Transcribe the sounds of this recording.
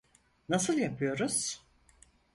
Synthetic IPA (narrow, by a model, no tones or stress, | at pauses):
nasɯlˠjapʰɯjo̞ɾuz̥